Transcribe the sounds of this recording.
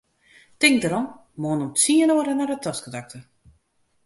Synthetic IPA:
tɪŋ̚dəɾɔm | moənɔmt͡siənoəɾənadətʰɔskədak̚tə

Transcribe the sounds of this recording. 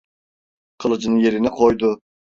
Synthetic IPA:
qʰəlˠɨd͡ʒɨnɨjeɾɪnɪqʰojd̪u

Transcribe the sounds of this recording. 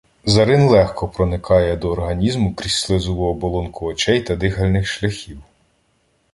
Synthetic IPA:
zɐɾɪnlˠɛxkɔpɾɔnɪkɑjɛd̪ɔːrɦɐnʲizmʊkɾʲisʲslˠɪzʊʋɔɔbɔlˠɔnkʊɔt͡ʃɛjt̪ɐd̪ɪxɐlʲnɪxʃlʲɐxʲiw

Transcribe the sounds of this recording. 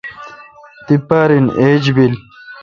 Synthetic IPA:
t̪ipaɾineːd͡ʑbil

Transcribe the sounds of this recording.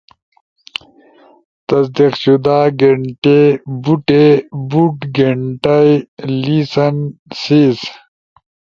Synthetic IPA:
t̪ɐs̬d̪iqɕud̪aːɡeɳʈebuʈebuʈɡeɳʈajliːsɐnsiːz

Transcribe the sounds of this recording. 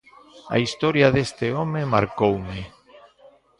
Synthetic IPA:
a̰ist̪oɾjaðest̪eomema̰ɾkowme

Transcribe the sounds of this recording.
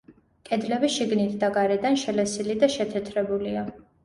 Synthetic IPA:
kʼɛd̪lɛbiʃiɡnit̪ʰd̪aɡaɾɛd̪anʃɛlɛsilid̪aʃɛt̪ʰɛt̪ʰɾɛbulia

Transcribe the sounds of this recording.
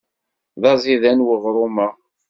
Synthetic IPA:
ðɑzˤiðænwəʁɾˤʊmæ

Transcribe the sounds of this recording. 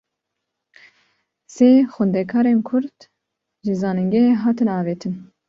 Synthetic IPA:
seːxɛnd̪ɛkʰɑːɾeːnkʰʊɾd̪ | ʒɨzɑːnɨŋɡɛeɦɑːt̪ɨnɑːveːt̪ʰɨn

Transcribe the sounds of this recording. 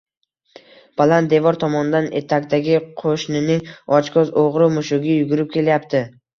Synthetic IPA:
b̥alant̪̚d̪e̞vɒɾt̪ʰɒmɒnd̪ane̞̰t̪ʰakʲt̪ʰaɡʲɪqʰoʃnɪnɪŋɒt͡ʃkʲɒzoʁɾɪmʊʃʊɡʲɪjʊɡʊɾɪp̚kʲʰe̞ljapt̪ʰɪ

